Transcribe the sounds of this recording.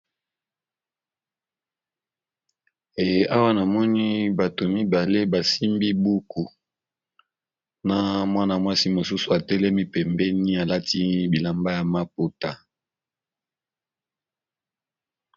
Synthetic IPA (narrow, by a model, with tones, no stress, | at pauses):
e˨je˦ʔa˦wa˦na˨mɔ˦ni˦ba˨to˨mi˦ba˨le˦ba˨si˦mbi˦bu˦kʰu˨ | na˦mwa˦na˨mwa˦si˦mo˨su˦su˨a˨tɛ˦lɛ˦mi˦pɛ˨mbɛ˦ni˦a˨la˦ti˦bi˨la˨mba˦ja˨ma˦po˨ta˨